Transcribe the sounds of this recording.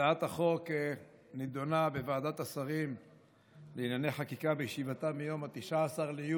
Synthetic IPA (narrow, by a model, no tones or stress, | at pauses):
aat̪haχo̞ke | nid̪o̞nabevaːd̪at̪asaʁim | leinjane̞jχakikabejeʃivat̪amijo̞mat̪iʃaːsaʁleju